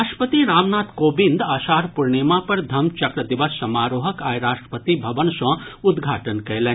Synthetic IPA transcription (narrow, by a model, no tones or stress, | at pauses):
aʃpət̪iɾaːmnaːt̪koːbind̪aːʃaːɾpuɾɳeːmãpɐɾd̪ʱɐmt͡ʃɐkɾɐd̪iʋəsːɐmaːɾoːɦɐkaːjɾaːʂʈɾə̥pət̪ibʱɐʋənʃɐ̃ːud̪ɡʱaːʈənkɐjlẽ